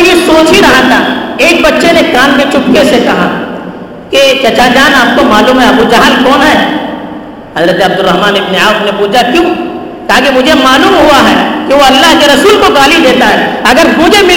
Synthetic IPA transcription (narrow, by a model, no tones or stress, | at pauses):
jesoːt͡ʃiɾɐɦat̪ʰaeːk̚bɐtːʃenekaːnmẽt͡ʃʊpkesekɐɦa̰ | ket͡ʃɐt͡ʃaːd͡ʒaːnaːp̚komaːluːmɦɛɐbud͡ʒɐɦaːnkɔːnɦɛː | ɦɐzɾət̪eɐb̚d̪ʊɾːɐɦmaːnɪbneaːknepuːt͡ʃʰakjũː | kɐɦakemʊd͡ʒʱemaːluːmɦuaɦɛːkiʋoɐlːaɦkeɾɐsuːlkoɡaːlid̪eːt̪aɦɛːɐɡəɾmʊd͡ʒʱemɪ